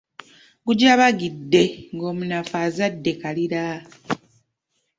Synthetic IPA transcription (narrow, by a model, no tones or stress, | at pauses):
ɡuɟaːβaɡidːe̞ŋɡo̞ːmunafaːzadːe̞kaliɾa